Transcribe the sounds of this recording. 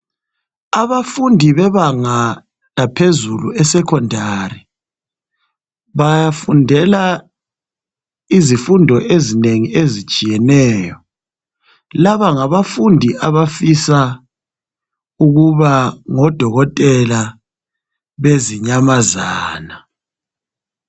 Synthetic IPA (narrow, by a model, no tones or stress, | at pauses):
aβafundʱiβɛβaŋa | lapʰezuluɛsɛkʰɔndʱari | βajafundʱɛla | izifundʱɔʔezineŋiezit͡ʃʼijɛnɛːjɔ | laβaŋaβafundʱiʔaβafisa | uɣuβaŋɔd̥ʱɔɣɔtʼɛla | βeziɲamazaːna